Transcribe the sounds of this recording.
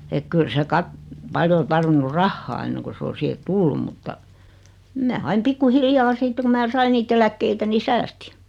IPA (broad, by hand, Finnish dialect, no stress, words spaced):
ek kyl se kɑt pɑljo o tɑrʋinːu rɑhːɑː enːeŋku s o siːhe tulːum mutːɑ mæː ɑim pikːu hiljɑː siːtːe ku mæː sɑi niːt elækːeitæ ni sæːsti̥